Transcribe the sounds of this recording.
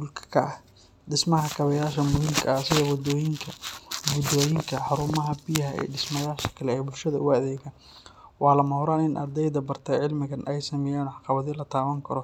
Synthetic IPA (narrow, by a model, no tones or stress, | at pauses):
ʊlkʰkʰɐʔɐh | ɖɪsmɐɦɐkʰɐβɐjaːʃɐmʊhiːmkʰɐɐɐsɐɣɔwɑd̪ɔːjɪŋkʰɐɡʊd̪ɔːjɪŋkʰɐħɑɾʊmɐɦɐbɪjɐɦɐɛ̰ɖɪsmɐjaːʃɐ̥kʰɐlɛɛjbʊlʃɐðɐʊɐðɛːjɣaːn | wɑːlɐmɐhʊɾaːnɪnʔɐ̰rd̪ɛjðɐbɐrt̪ʰɐʕɪlmɪɣɐnʔɛjsɐmɛjaːnɔħɑqɑβɐðilɐt̪ʰaːwɐŋkʰɐɾɔ